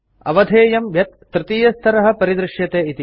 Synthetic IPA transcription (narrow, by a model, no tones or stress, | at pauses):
ɐ̰ʋɐd̪ʱeːjɐmʋjɐt̪̚ːɾɪt̪iːjɐst̪ʰɐɾɐɦɐ̆pɐɾid̪ɾɪʂjɐt̪eːit̪i